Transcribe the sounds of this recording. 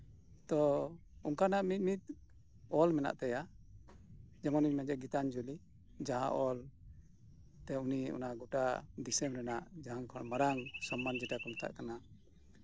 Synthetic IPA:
t̪ɔ | uŋkanaʔmit̪̚mit̪̚ | ɔlmɛna̰ʔt̪ɛja | d͡ʒɛmɔniɲmɛd͡ʒɛɡit̪and͡ʒuli | d͡ʒaɦã̰ʔɔl | t̪ɛuniɔ̰naɡɔʈad̪isɛmɾɛnaʔd͡ʒaɦaŋkʰɔmaɾaŋsɔmːand͡ʒɛʈakɔnat̪ʰa̰ʔkana

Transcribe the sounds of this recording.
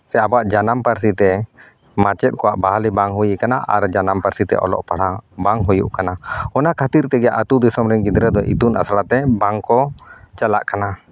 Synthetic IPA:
sɛabaʔd͡ʒanampaɾsit̪ɛ | mat͡ʃɛt̪̚kɔwaʔbaɦalibaŋɦujikanaʔa̰ɾd͡ʒanampaɾsit̪ɛ̰ʔɔ̰lɔ̰ʔpaɽabaŋɦɔjṵʔkanaɔnakʰat̪iɾt̪ɛɡɛja̰ʔat̪ud̪isɔmɾɛŋkid̪ɾɛd̪ɔʔḭt̪una̰slat̪ɛbaŋkɔt͡ʃala̰ʔkana

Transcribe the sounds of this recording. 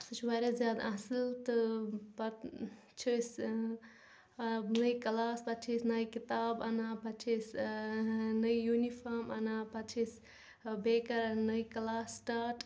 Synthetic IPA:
sɨt͡ʃʰwaɾezjaːd̪asilt̪ɨpɐ | t͡ʃʰis | nəjkɐlaːspɐt͡ʃʰisnɐjkit̪aːbɐnaːpɐt͡ʃʰis | nɐjjunipʰaɾmɐ̰naːpɐt͡ʃʰis | bekɐɾnəjkɐlaːsːʈaːʈ

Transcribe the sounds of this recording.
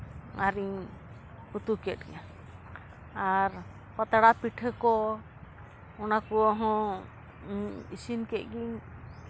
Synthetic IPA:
aɾiŋ | ut̪ukɛt̚ḭɲa | aɾ | pɔt̪aɽapiʈʰəkɔ | ɔnakuɔɦɔ̃ | isinkɛʔɡiŋ

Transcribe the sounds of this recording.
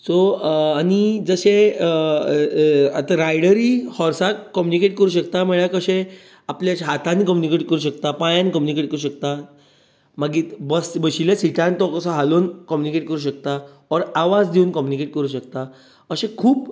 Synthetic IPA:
soañid͡zəɕẽ | at̪aɾajɽəɾihɔɾsakːɔmjunikeʈkəɾuːɕəkt̪ameɭjakəɕẽ | apljaɕɦat̪ʰanikɔmjunikeʈkəɾuɕ̬əkt̪apajãnkɔmjunikeʈ̚kəɾuɕək̚t̪a | maɡiːt̪bəsbəɕiljasiʈãnt̪ɔkəsaɦaloːnkɔmjunikeʈ̚kəɾuːɕ̬ək̚t̪a | ɔɾaʋad͡zd̪iuːnkɔmjunikeʈ̚kəɾuːɕək̚t̪a | əɕẽkʰuːp

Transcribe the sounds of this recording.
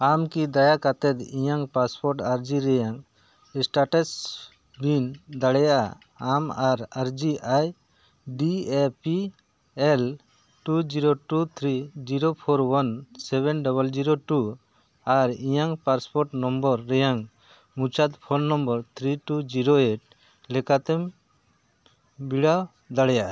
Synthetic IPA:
amkid̪ajakat̪ɛt̪ijaŋpaspɔɾʈaɾd͡ʒiɾɛjaŋ | sʈaʈɛs | bind̪aɽɛjaʔa̰ | amaɾaɾd͡ʒiʔaj | ɖiepi | ɛl | ʈud͡ʒiɾoʈut̪ʰɾid͡ʒiɾopʰoɾwansɛβɛnɖɔβəld͡ʒiɾoʈu | aɾijaŋpaɾspɔɾʈnɔmbɔɾːɛjaŋ | mũt͡ʃad̪pʰɔnnɔmbɔɾt̪ʰɾiʈud͡ʒiɾoeʈ̚ | lɛkat̪ɛm | biɽaw | d̪aɽɛjaʔa

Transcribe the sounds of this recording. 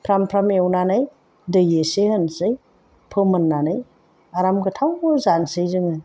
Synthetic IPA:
pʰɾampʰɾamewnanaj | dɯjesehənsɯj | pʰɯmɐnːanɯj | aɾamɡɯtʰawzansɯjzɯŋɯ

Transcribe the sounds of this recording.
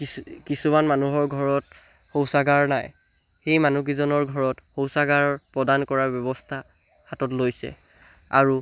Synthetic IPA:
kisumanmanuɦɔɹɡʱɔɹɔt | xowsaɡaɹnaj | xejmanuɡ̬izɔnɔɹɡʱɔɹɔtxowsaɡaɹpɹɔdankɔɹaɹbjɔbɔstʰa | hatɔtlojsɛ̰ | aɹu

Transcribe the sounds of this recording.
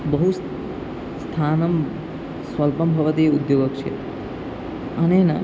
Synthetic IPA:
bɐɦus | st̪ʰaːnɐm | sʋɐlpɐmbʱɐʋət̪iud̪joːɡəkt͡ʃʰḛ | ɐnena̰

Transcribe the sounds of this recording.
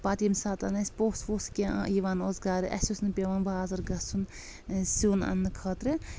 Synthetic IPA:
paːt̪imsaːt̪ɐnɐsʲpoːsʋoːskʲẽʔã̰iːʋaːnoːzɡaːɾɨʔɐ̰sʲusnpʲeʋaːnbaːzɐɾɡɐsun | suːnɐ̰nːɨkʰɐːt̪ɾɨ

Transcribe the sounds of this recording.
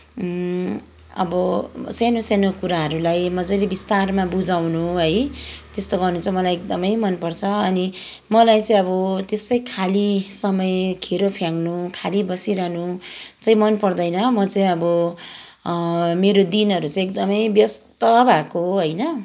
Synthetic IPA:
ʌ̰bʌsenosenokuɾaɦʌɾulajmʌd͡zʌjlebist̪armabud͡zawnuɦʌjt̪est̪oɡʌrnut͡sʰʌ̃mʌlajek̚d̪ʌmʌjmʌnpʌrt͡sʰʌʌni | mʌlajt͡sãĩʌbʌt̪esʌjkʰalisʌmʌjkʰeɾopʰjaŋnukʰalibʌsiɾʌɦnut͡saĩmʌnpʌrd̪ʌjnʌmʌt͡sãĩʌbʌ | meɾod̪inɦʌɾut͡sʌ̃ĩek̚d̪ʌmʌjbjʌst̪ʌbʱakoɦʌjnʌ

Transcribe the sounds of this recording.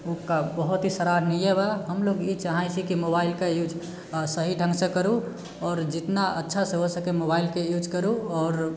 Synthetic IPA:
ukabəɦut̪ɦisəɾaɾnijebaɦəmloɡit͡ʃaɦãjsĩkimobaɪlkejud͡ʒ | səɦiɖʱə̃ŋɡsẽkəɾu | ɔːɾd͡ʒɪt̪naʔətːʃʰasẽɦosəkemobailkejud͡ʒkəɾuɔːɾ

